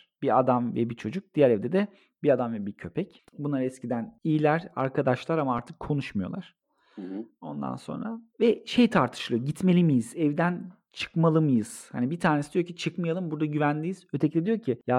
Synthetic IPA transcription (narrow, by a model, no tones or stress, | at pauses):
b̥iad̪amvɛ̰bit͡ʃʰo̞d͡ʒuk̚d̪̥ijæɾɛvd̪ed̪ɛ | biad̪amvɛbicʰø̞pʰɛc | bunˠaɾɛscʰid̪ænijilʲæɾa̰ɾkʰad̪aʃlˠaɾamaaɾt̪ʰɯkʰːo̞nuʃmɯjo̞̰lˠaɾ̥ | o̞nd̪a̰nso̞̰nɾavɛʃe̞jt̪ʰaɾt̪ʰɯ̥ʃlˠɯɟit̪me̞lʲimijizɛvd̪æn | t͡ʃʰɯ̥kmalˠɯmɯjɯz̥ha̰nibit̪ʰaːnesid̪ijocʰit͡ʃʰɯkmɯjalˠɯmbuɾd̪aɟyvænlʲijiz̥øt̪ʰɛclʲed̪ijo̞cʰija